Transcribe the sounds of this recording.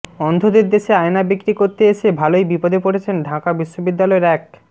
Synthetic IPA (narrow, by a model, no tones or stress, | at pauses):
ɔnd̪ʱod̪eɾd̪eʃeajnabikɾikoɾt̪eeʃebʱalojbipod̪ʱepoɽet͡ɕʰenɖʱakabiʃːobid̪ːalɔeɾɛk̚